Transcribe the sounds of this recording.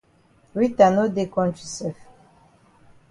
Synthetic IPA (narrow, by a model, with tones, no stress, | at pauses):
ɹi˦ta˨no˦de˦˨kɔ̃˦nt͡ʃi˨sɛ˨f